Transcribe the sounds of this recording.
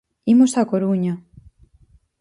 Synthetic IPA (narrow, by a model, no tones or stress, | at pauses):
imosakoɾuɲa